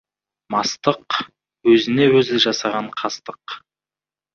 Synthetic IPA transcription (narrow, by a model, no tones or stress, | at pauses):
mɑst̪əq | wɵzɪne̞wɵzɪʒɑsɑʁɑɴqʰɑst̪əq